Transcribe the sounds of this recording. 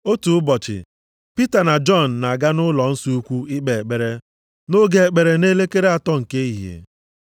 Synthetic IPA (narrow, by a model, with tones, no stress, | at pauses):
o˦tu˨ʊ˦bɔ˨t͡ʃɪ̰˨ | pi˦ta˨na˨d͡ʒɔ˦˨n̩ː˨a˨ɡa˦nʊ˦lɔ˨n̩˦su˦u˦kʷu˦ɪ˦k͡pe˨e˨k͡pe˨ɾe˦ | no˦ɡe˨e˨k͡pe˨ɾe˨ne˦le˦ke˦ɾe˦a˨tɔ˦ŋ̩˨ke˦i˦ɦḛ˨